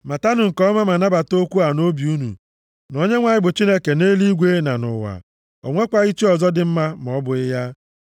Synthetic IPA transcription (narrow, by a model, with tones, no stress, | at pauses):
ma˨ta˦nʊ˨ŋ̩˨kɔ˦ma˦ma˨na˦ba˨to˦kʷu˦a˨no˦bi˨u˦nṵ˨ | no˦ɲe˦ŋʷa˨ɲɪ˦˨bʊ˨t͡ʃi˦ne˦ke˨neː˦li˦ɡʷe˦na˨nʊ̰˨wa̰˨ | o̰˨ŋʷe˦kʷa˨i˦t͡ʃi˦ɔ˨zɔ˦dɪ˨m̩˦ma˦mɔ˨˦bʊ˨ɪ˦ja˦